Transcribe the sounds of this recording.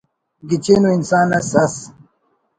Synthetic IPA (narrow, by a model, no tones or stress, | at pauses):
ɡit͡ɕeːnoinsaːnɐsɐs